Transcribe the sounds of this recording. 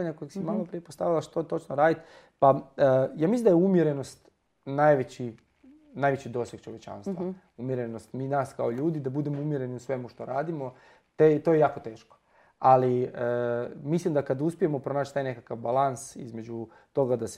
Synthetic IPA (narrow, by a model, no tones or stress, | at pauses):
aɲako̞jeɡsimamapɾijepost̪aʋilˠaʃt̪ot̪o̞t͡ʃnoɾaːd̪it̪ | pajaːmislimd̪ajumjeɾeno̞st̪ | najʋet͡ɕi | najʋet͡ɕid̪o̞ːsjeɡ̥̚t͡ʃoʋet͡ʃa̰ːnst̪ʋa | umjeɾenost̪minaːska̰oʎuːd̪id̪abud̪e̞moumjeɾe̞niusʋe̞muʃt̪o̞ɾaːd̪imo̞ | t̪et̪ojejaːko̞t̪e̞ːʃko̥ | aliəmislimd̪akad̪auspije̞mopɾo̞naːt͡ʃt̪ajne̞kakaʋbalansḭzme̞d͡ʑu | t̪o̞ɡad̪as